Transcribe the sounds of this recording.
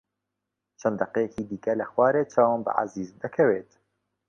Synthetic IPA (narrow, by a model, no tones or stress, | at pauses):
t͡ʃʰɐnd̪ɐqejɛciːd̪iːkɐlɐxwɑːɾeːt͡ʃʰɑːwanbɨ̰ʕa̰ziːzd̪ɐkʰɐweːt̪